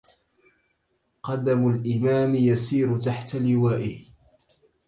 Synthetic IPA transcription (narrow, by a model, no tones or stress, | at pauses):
qɑd̪amʊlʔɪmaːmɪjasiːɾʊt̪aħt̪alɪwaːʔɪh